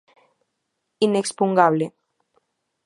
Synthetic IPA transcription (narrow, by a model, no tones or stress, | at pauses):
inekspuŋɡaβle